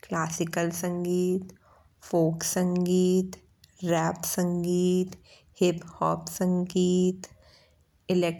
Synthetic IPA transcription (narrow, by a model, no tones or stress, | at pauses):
klaːsɪkəlsə̃ŋɡiːt̪ | foːksə̃ŋɡiːt̪ | ɾɛːpsə̃ŋɡiːt̪ | hɪphɔːpsə̃ŋɡiːt̪ | ɪlek